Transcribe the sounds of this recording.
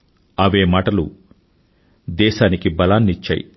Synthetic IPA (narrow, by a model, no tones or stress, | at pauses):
ɐʋeːmaːʈɐlṵ | d̪ɛːʃaːnikibɐlaːnːit͡ʃːɐ̰ːjḭ